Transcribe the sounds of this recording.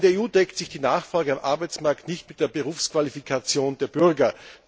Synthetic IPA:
ndeɐeːuːdɛktsɪçd̥iːnaːχfʁ̥ɔlɡəamʔaɐbaɪt͡smaɐktnɪçtmɪt̚d̥eːɐbəʁuːfskv̥alifikʰat͡sjoːnd̥eːɐb̥ʏʁɡɐ

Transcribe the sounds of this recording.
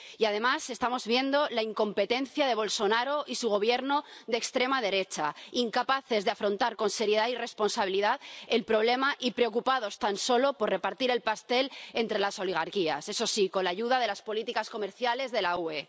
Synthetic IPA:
iað̞e̞mase̞st̪amo̞zβje̞nd̪o̞laiŋko̞mpe̞t̪e̞nθjað̞e̞β̞o̞lso̞naɾo̞ʔisuɣ̞o̞β̞je̞ɾno̞ðekst̪ɾe̞mað̞e̞ɾe̞t͡ʃaiŋkapaθe̞zðe̞afɾo̞nt̪aɾko̞nse̞ɾje̞ðaire̞spo̞nsaβ̞iliðaðe̞lpɾo̞β̞le̞maʔipɾe̞o̞kupaðo̞st̪anso̞lo̞po̞re̞paɾt̪iɾe̞lpast̪e̞le̞nt̪ɾe̞laso̞liɣ̞aɾkia̰se̞so̞siko̞nlaʝuðaðe̞laspo̞lit̪ikasko̞me̞ɾθjale̞zðe̞laue̞

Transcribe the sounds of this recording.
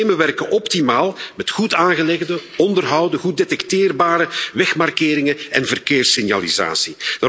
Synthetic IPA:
eːməʋɛrkəʔɔptimaːlˠmɛtxutaːnɣəlɛɣdəɔndərɦʌwdəɣudetɛktɪːrbaːɾəʋɛxmarkɪːɾɪŋəɛnvərkeːrsɪnjaliza̰ːsid̥aː

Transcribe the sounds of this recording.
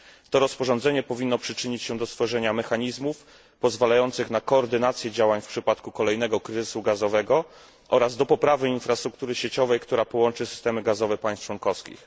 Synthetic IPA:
t̪ɔɾɔspɔʐɔ̃nd̪zɛɲɛpɔvʲinːɔpʂɘt͡ʂɘɲit͡ɕɕɛ̃d̪ɔst̪fɔʐɛɲamɛxaɲizmuf | pɔzvalajɔnt̪sɘxnakɔːɾd̪ɘnat̪sʲjɛd͡ʑawaɲfpʂɘpat̪kukɔlɛjnɛɡɔkɾɘzɘsuɡazɔvɛɡɔ | ʔɔɾazd̪ɔpɔpɾavɘinfɾast̪ɾuk̚t̪uɾɘɕet͡ɕɔvɛjkt̪uɾapɔwɔnt͡ʂɘsɘ̥st̪ɛmɘɡazɔvɛpaj̃st͡ʂwɔnkɔfskʲḭx

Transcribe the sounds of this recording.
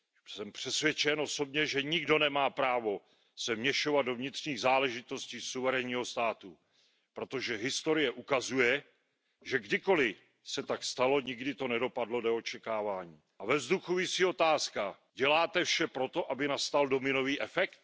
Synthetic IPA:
sɛmpr̥ɛsvjɛt͡ʃɛnʔo̞so̞bɲɛʒɛɲɪɡdo̞nɛmaːpɾaːvo̞ | sɛmɲɛʃo̞vad̪̚do̞vɲɪt̪r̥ɲiːɣzaːlɛʒɪt̪o̞sciːsuvɛɾɛɲiːɦo̞st̪aːt̪u | pɾo̞t̪o̞ʒɛɦɪst̪o̞ɾɪjɛʔukazujɛ | ʒɛɡdɪko̞lɪ | sɛt̪akst̪alo̞ɲɪɡdɪt̪o̞nɛdo̞padlo̞doot͡ʃɛkaːvaːɲiːʔavɛvzd̪uxuvɪsio̞t̪aːska | ɟɛlaːt̪ɛfʃɛpɾo̞t̪o̞ʔabɪnast̪aldo̞mɪno̞viːʔɛfɛkt̪̚

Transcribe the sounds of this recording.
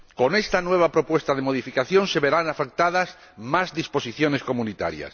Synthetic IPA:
konest̪anweβ̞apɾopwest̪aðemoð̞ifikaθjonseβeɾanafek̚t̪aðas | mazðispo̞siθjonesko̞munit̪a̰ɾja̰s

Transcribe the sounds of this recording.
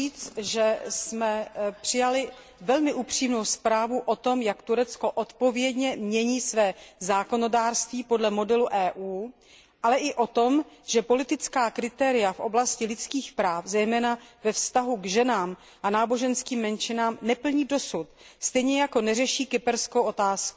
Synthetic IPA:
iːt͡sʒɛsmɛpr̥ɪjalɪ | vɛlmɪʔupr̝̥iːmno̞wspɾaːvuʔo̞t̪o̞mjakt̪uɾɛt͡sko̞ʔot̪po̞vjɛdɲɛmɲɛɲiːsvɛːzaːko̞no̞daːrst̪viːpo̞dlɛmo̞dɛluʔɛːʔuː | ʔalɛʔɪʔo̞t̪o̞mʒ̥ɛpo̞lɪt̪ɪt͡skaːkɾɪt̪ɛɾɪjafʔo̞̰blascɪlɪt͡skiːxpɾaːfzɛjmɛːnavɛfst̪aɦuɡʒɛnaːm | ʔanaːbo̞ʒɛnskiːmːɛnt͡ʃɪnaːmnɛpl̩ɲiːdo̞sut̪ | st̪ɛjɲɛjako̞nɛrɛʃiːkɪpɛɾskowʔo̞t̪aːsku̥

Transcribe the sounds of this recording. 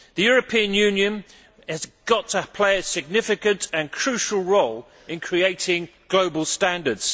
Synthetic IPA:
ðəjɔːɹəpʰĩə̃njʉ̃ːnjə̃n | əzɡ̥ɒtʰəpʰl̥eɪəsɪɡ̚nɪfɪkə̃ntʰə̃nkʰɹ̥ʉˑʃəlˠɹoʊl | ɪ̃nkʰɹ̥ieɪtʰɪ̃ŋɡ̥ləʊbəlˠstæ̃ndədz̥

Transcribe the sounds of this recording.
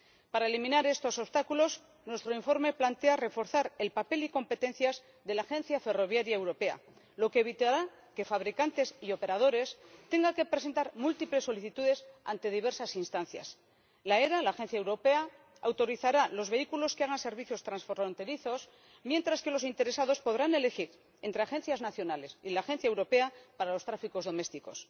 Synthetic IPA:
paɾaelimĩnaɾe̞st̪o̞sost̪akulo̞z | nwe̞st̪ɾo̞iɱfo̞ɾme̞plant̪e̞are̞fo̞ɾθaɾe̞lpape̞liko̞mpe̞t̪ẽ̞n̟θjaz | ðe̞laːxe̞nθjafe̞ro̞β̞jaɾjaewɾo̞pea̰ | lo̞keːβ̞it̪aɾa | ke̞faβɾikant̪e̞sio̞pe̞ɾað̞o̞ɾe̞st̪e̞ŋɡake̞pɾese̞nt̪aɾmult̪iple̞sːo̞liθit̪uðe̞sa̰nt̪e̞ðiβ̞e̞ɾsasinst̪anθja̰s | lae̞ɾalaːxe̞nθjaewɾo̞pe̞a | awt̪o̞ɾiθaɾalo̞zβe̞ikulo̞skeaɣ̞anse̞ɾβiθjo̞st̪ɾansfɾont̪e̞ɾiθo̞s | mje̞nt̪ɾaske̞lo̞sint̪e̞ɾe̞saðo̞spo̞ðɾane̞le̞xiɾ | e̞nt̪ɾe̞axe̞n̟θjaznaθjo̞nale̞silaːxe̞nθjaewɾo̞pe̞apaɾalo̞st̪ɾafiko̞zðo̞me̞st̪iko̞s

